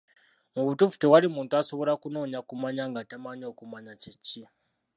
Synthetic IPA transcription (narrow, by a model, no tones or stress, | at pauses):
muβutufu̥tewaɾimuːntuasoβo̞ɾakunoːɲakumaɲaŋɡatamaɲokumaɲat͡ʃit͡ʃi